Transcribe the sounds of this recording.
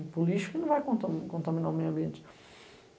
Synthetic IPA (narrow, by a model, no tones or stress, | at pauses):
pulˠiʃkinũvajkõnt̪ɐkõnt̪ɐmĩnamejwɐ̃mbiẽnt̪